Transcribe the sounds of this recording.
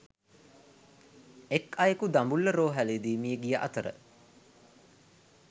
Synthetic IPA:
ekɐjəkud̪ambulːəɾoːɦæled̪iːmijəɡijəʔa̰t̪əɾə̰

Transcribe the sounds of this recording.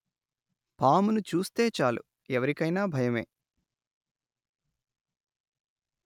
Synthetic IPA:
paːmunut͡ʃuːst̪e̞ːt͡ʃaːlṵ | ɛʋɐɾikɐjnaːbʱɐjɐme̞̰ː

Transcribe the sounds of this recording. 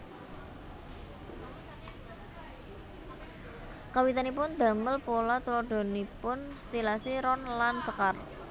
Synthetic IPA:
kawit̪anipʊnd̪ä̤məlpolat̪ulɔɖ̪̥ɔ̤nipʊnst̪ilasiɾɔnlant͡ʃəkar

